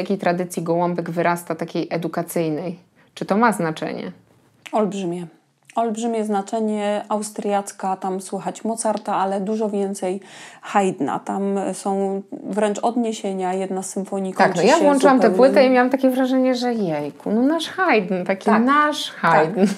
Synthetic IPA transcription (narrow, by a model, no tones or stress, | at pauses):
jakʲejt̪ɾad̪ɘt̪sʲjiɡɔwɔmbɛɡvɘɾʔast̪at̪akʲejʔɛd̪ukat̪sɘjnɛj | t͡ʂɨt̪ɔmaznat͡ʂɛ̰ɲɛ̰ | ɔlbʐɘmʲɛ | ɔlbʐɘmʲjɛznat͡ʂɛɲɛawst̪ɾjat̪skat̪amswuxat͡ɕmɔt̪saɾt̪aalɛd̪uʐɔvʲjɛnt̪sɛjxajd̪na̰t̪amsɔ̃w̃vɾɛnt͡ʂɔd̪ɲeɕeɲajɛd̪nasːɘmfɔɲik̪ɔaknɔjavwɔnt͡ʂɨwamɛpwɘt̪ɛimʲjawamt̪akʲɛvɾaʐɛɲɛʐɛjɛjkunɔnaʂxajd̪nt̪akʲinaʂxajd̪n